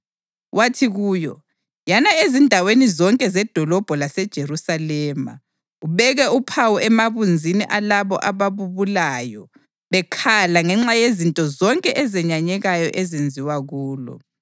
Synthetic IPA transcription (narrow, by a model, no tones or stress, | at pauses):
watʰiɣuːjɔ | janaezindʱawenizɔŋkʼɛzɛd̥ʱɔlɔb̥ʱɔlasɛd̥ʒ̥ʱerusalɛːma̰ | uβɛɣɛupʰawɔʔɛmaβund͡zʱiniʔalaβɔ̰ʔaβaβuβulaːjɔ | βɛkʰalaŋɛŋ͡ǁajezintʼɔzɔŋkʼɛʔɛzɛɲaɲɛɣajɔʔezend͡zʱiwaɣuːlɔ̰